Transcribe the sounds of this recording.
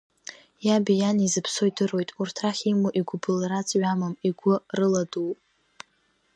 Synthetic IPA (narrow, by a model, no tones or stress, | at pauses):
jabijanizɨpʰsoidɨro̞jtʼurtʰraχʲimuʔiɡʷʊbɨlrat͡sʼɥamamiɡʷʊrɨladuwʼ